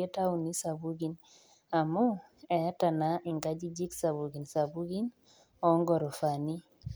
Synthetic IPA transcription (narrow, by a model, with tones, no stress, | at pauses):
e˦ta˦u˨ni˦sa˨bu˦ɡi˨n | a˨mʊ˦ | ɛ˨˦ta˨na˦i˨ŋɡa˦d͡ʒi˦d͡ʒi˦ksa˨βu˨ɡi˨nsa˨bu˦ɡi˦n | ɔ˨˦ŋɡɔ˨ɾɔ˨fa˨ni˦